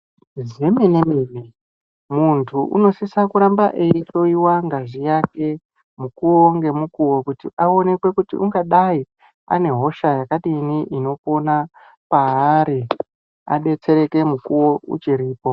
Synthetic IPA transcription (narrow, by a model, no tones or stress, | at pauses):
zeminemimi | muntʰuʔṵno̞sisakuɾambaʔeit͡ʃo̞iwaŋɡaʐijake̞ | mukuwo̞ŋɡe̞mukuwo̞kutiʔao̞ne̞kwe̞kutḭʔṵŋɡaɗai | a̰ne̞ɦo̞ʃajakaɗiːniʔino̞po̞na | paːɾi | a̰ɗe̞t͡se̞ɾe̞ke̞mukuwo̞ṵt͡ʃiɾiːpo